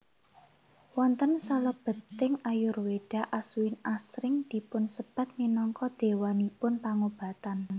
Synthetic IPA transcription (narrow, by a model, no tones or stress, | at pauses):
wɔnt̪ənsaləb̥ə̤t̪ːɪŋajʊrweɖ̥a̤ʔasuwɪnasɾɪŋd̪̥i̤pʊnsəb̥a̤t̪̚minɔŋkɔd̪̥e̤wanipʊnpaŋob̥ä̤t̪an